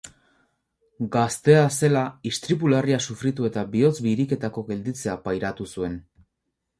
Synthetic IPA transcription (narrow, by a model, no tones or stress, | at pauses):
ɡast̪e̞ase̞laist̪ɾipulariasufɾit̪ue̞t̪abio̞t͡sbiɾike̞t̪ako̞ɡe̞ld̪it͡se̞apajɾat̪usue̞n